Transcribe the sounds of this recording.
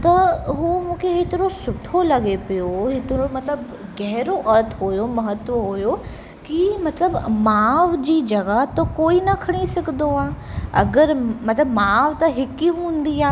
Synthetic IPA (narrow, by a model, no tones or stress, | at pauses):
t̪ɐɦumũːkʰeɦet̪ɪɾosʊʈʰolɐɡepijoɦɪt̪ɪɾomɐt̪ləb | ɣɛɦɪɾoʔɐɾt̪ʰɦojomɐɦət̪ʋəɦʊjo | kimɐt̪ləbmaːʋd͡ʑiːd͡ʑɐɣat̪okoːinɐkʰɐɽ̃isɐɡʱɪnd̪oaːɐ̰ɡəɾmɐt̪ləbmaːʋt̪ɐɦɪkiɦũːn̆d̪iaː